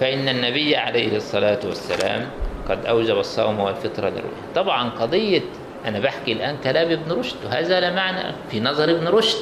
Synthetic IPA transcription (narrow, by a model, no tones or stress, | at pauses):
faʔɪnːanːabɪjːaʕalejhɪsˤːɑlaːt̪wasːala̰ːmqɑd̪ʔawd͡ʒabɑsˤːɑ̰wmawɪlfɪt̪ɾˤɑ̰lɪ̰rːṵːjat̪ˤɑbʕɑnqɑd̪ˤɨjːɑ | ʔanabaħkilʔaːnkalaːmɪbnɾʊʃd̪ɦazaːlamaʕna̰finɑzˤɑɾˤʔɪbnɾʊʃd̪